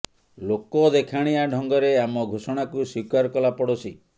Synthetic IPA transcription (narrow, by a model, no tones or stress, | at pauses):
lokɔd̪ekʰaɽ̃iaɖʱɔŋɡɔɾeamɔɡʱosɔɽ̃akuswikaɾkɔlapɔɽɔsi